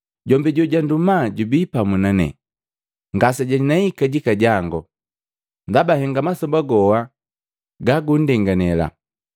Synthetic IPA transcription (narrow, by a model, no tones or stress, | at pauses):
ɟɔmbiɟɔɟandumaɟubipamunanɛ̰ | ŋɡasaɟainaikaɟikaɟaŋɡɔ | ndabahɛŋɡamasɔbaɡɔwa | ɡaɡundɛŋɡanɛla̰